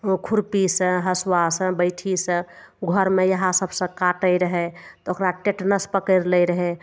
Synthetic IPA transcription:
okʰuɾpisə̃ɦəswasə̃bəɪʈʰisə̃ | ɡʱəɾmejəɦãsəbʱsə̃kaʈəjɾəɦɛt̪ɔokɾaʈeʈnəspəkəɾləjɾəɦɛ

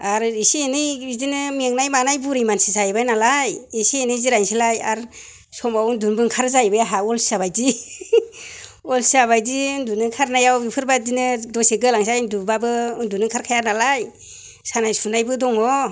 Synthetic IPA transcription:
aɾisienɯidinɯmeŋnajmanajbuɾijmansisajbajnalajisienɯjziɾajnsilajaɾ | sɔmawndunbɯŋkʰaɾzajbajaɦaɔlsi̥sabajdi | ɔlsisabajdindunɯkʰaɾnajawipʰɯɾbadinɯdɔseɡɯlaŋs̬ajndubabɯɯndunɯkʰaɾkʰajaɾnalaj | sanajsunajbɯdɔŋɔ

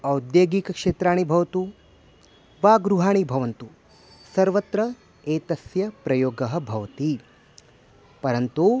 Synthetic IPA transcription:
ɐwd̪jeːɡiːkɐkʂeːt̪ɾaːɳibʱɐʋɐt̪u | ʋaːɡɾuɦaːɳibʱɐʋɐnt̪u | sɐɾʋɐt̪ɾɐ | eːt̪ɐsjɐpɾɐjoːɡɐɦɐ̆bʱɐʋɐt̪i | pɐɾɐnt̪u

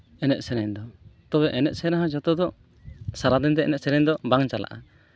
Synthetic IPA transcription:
ɛnɛʔ̚sɛɾɛɲd̪ɔt̪ɔbɛʔɛnɛ̰ʔ̚sɛnaɦãd͡ʒɔt̪ɔd̪ɔ | saɾad̪ɛnt̪ɛʔɛ̰nɛʔ̪̚sɛɾɛɲd̪ɔbaŋt͡ʃala̰ʔa

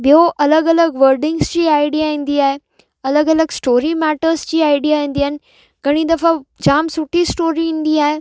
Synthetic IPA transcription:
bijoʔɐləɡɐləɡʋəɾɖɪ̃ŋɡsd͡ʑiːaːɪɖijaɦĩːn̆d̪iaːɦe | ɐləɡɐləɡsʈoːɾimɛːʈəɾzd͡ʑiːaːɪɖijaɦĩːn̆d̪iɦanɪ̆ | ɡɐɽ̃id̪ɐfad͡ʑaːmsʊʈʰisʈoːɾiĩːnd̪iaːɦe

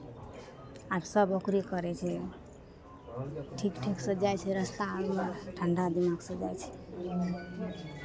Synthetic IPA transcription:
absəbokɾikəɾɛt͡ʃʰɛ | ʈʰikʈʰiksəd͡ʒajt͡ʃʰɛɾəst̪abmeʈʰəɳɖad̪imaɡsə̃d͡ʒajt͡ʃʰɛ̥

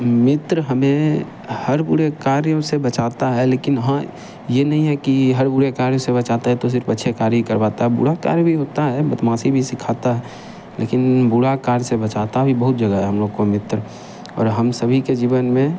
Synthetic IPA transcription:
mɪt̪ɾəɦəmẽ | həɾbʊɽekaːɾjõsebət͡ʃaːt̪aɦɛleːkɪnɦã | jenɐɦĩɦɛkiɦəɾbʊɽekaːɾjõsebɐt͡ʃaːt̪aɦɛt̪os̬ɪɾfətːʃʰekaːɾikəɾʋaːt̪aɦɛbʊ̰ɽaka̰ːɾjbʱiɦoːt̪aɦɛbət̪mãːsibʱisɪkʰaːt̪aɦɛ | lḛkɪnbʊɽakaːɾsebət͡ʃat̪abʱibəɦʊt̪̚d͡ʒəɡəɦɛɦɐmloːɡkomɪt̪ɾ | ɔ̰ːɾɦəmsəbʱiked͡ʒiːʋənmẽ

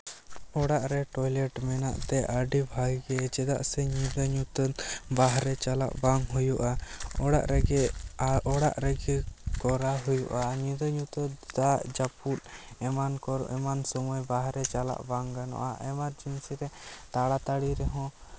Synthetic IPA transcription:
ɔɽaʔɾɛʈɔjlɛʈmɛnaʔt̪ɛʔəɖibʱaɡɡɛd͡ʒɛd̪a̰ʔsɛɲĩd̪əɲut̪ət̪baɦɾɛt͡ʃala̰ʔbaŋɦujuʔaɔɽa̰ʔɾɛɡɛɔɽaʔɾɛɡɛkɔɾaɦujuʔaɲĩd̪əɲut̪əd̪aʔd͡ʒapulɛmankɔɾʔɛmansɔmɔjbaɦɾɛt͡ʃala̰ʔbaŋɡanɔ̰ʔaʔɛmaɾd͡ʒinsiɾɛt̪aɽat̪aɽiɾɛɦɔ̃

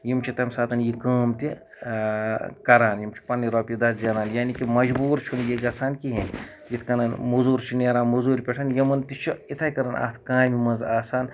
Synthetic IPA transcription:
jimt͡ʃʰit̪ɐmʲsaːt̪ɐnjikaːmt̪i | kɐɾaːnjimt͡ʃʰi̥pɐnːiɾoːpʲid̪ɐszɐɾaːnjaːnikimɐd͡ʒbuːɾt͡ʃʰunjiɡɐsʰaːnkiɦin | jit̪ʰkɐnɐnmuzuːɾt͡ʃʰineɾaːnmuzuːɾʲpʲeʈʰɐnjɐmɐnt̪it͡ʃʰuit̪ʰaːjkɐɾɐna̰ːt̪ʰkãːjmimɐzaːsaːn

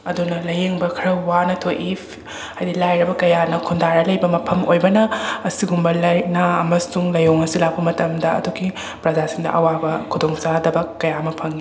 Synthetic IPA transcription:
ɐdunɐlɐjeŋbɐkʰɐɾɐwːanɐtʰoʔipʰ | ajdilajɾɐbɐkɐjanɐkʰundaɾɐlɐjbɐmɐpʰɐmo̰jbɐnɐːsiɡumbɐlɐjnaɐmɐsuŋlɐjoŋɐsilapʰɐmɐtɐmdɐɐ̰duɡi | pɾɐd͡ʒasiŋdɐ̰ʔɐwabɐkʰudoŋsadɐbɐkːɐjamɐpʰɐŋi

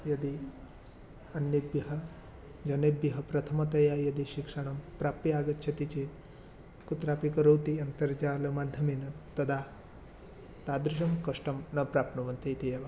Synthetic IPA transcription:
jɐd̪i | ɐnːibjɐɦɐ | d͡ʒɐnebjɐɦɐpɾɐt̪ʰɐmɐt̪ɐjaːjɐd̪iʃikʂɐɳ̃ɐmpɾaːpːiaːɡɐtːʃʰɐt̪it͡ʃeːt̪ | kut̪ɾaːpikɐɾɐwt̪iɐnt̪ɐɾd͡ʒaːlɐmaːd̪ʱjɐminɐt̪ɐd̪aː | t̪aːd̪ɾɪʃ̬ɐmkɐʂʈɐmnɐpɾaːpnɐʋɐnt̪it̪ijɐʋa

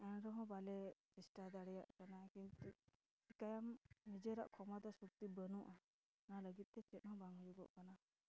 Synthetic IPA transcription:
ɛnɾɔɦɔ̃balɛt͡ʃisʈad̪aɽɛjaʔkanakint̪u | ikajamnid͡ʒɛɾaʔkʰɔmad̪ɔsuk̚t̪ibənuʔa | naləɡit̪̚t̪ɛt͡ʃɛt̪̚ˀɦɔ̃baŋɔjuɡɔ̰ʔkana

